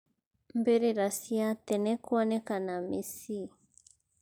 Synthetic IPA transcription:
mbeɾeɾasiatɛnɛkwɔnɛkanamesi

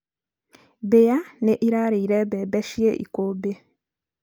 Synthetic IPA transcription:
bejaneʔiɾaɾiiɾɛbebeʃieʔḭkobe

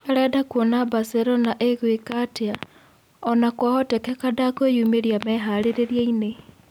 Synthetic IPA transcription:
aɾɛdakwonabaseɾɔnaʔeɣwekatea | ɔnakwahɔtɛkɛkadakwejuːmeɾjamɛɦaɾeɾeɾjaine

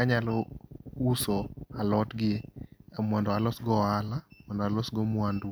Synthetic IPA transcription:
aɲalɔusɔalɔtɡɪeamwandɔalɔsɡɔalamwandɔalɔsɡɔmwandu

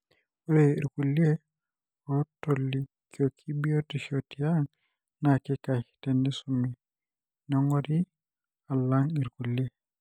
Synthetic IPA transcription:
ɔɾeiɾkulie | ɔtolːi | kiokʰibiotiʃotijaŋ | nakɛkatendisumi | nɔŋɡɔdi | alːaŋiɾkulie

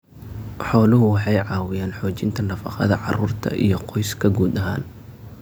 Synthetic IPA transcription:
ħɔːlʊɦʊwɑħɑjʕɑːwɪjaːnħɔːt͡ʃɪnt̪ʰɐnɐfɑ̰qɑ̰ðɐʕɑruːrt̪ʰɐ̰ʔijɞqɔjskʰɐɡuːd̪ɐɦa̰ːn

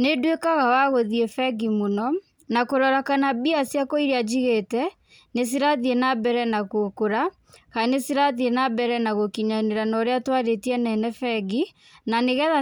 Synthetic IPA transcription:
nedwekaɣawaɣoðiɛfɛɡimonɔ | nakoɾɔɾakanabiasjakoiɾead͡ʒiɣetɛ | nes̬iɾaðienabɛɾɛnakokoɾa | kanesiɾaðienabɛɾɛnaɣokiɲaneɾanɔɾeatwaɾetiɛnɛnɛfɛɡi | naneɣɛða

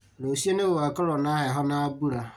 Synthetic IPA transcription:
losienẽwoakaɾɔnãhɛɦɔnãabuɾa

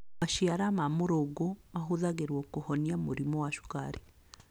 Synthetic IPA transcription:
maʃiaɾamamoɾoɡomaɦuðaɣeɾwɔkohɔniamuɾimɔwaʃu̥ka̰ɾe

